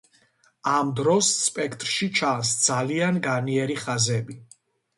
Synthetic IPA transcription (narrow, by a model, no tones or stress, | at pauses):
amd̪ɾɔsːpʼɛkʰt̪ʼɾʃit͡ʃʰasd̪z̥alianɡaniɛɾiχazɛbi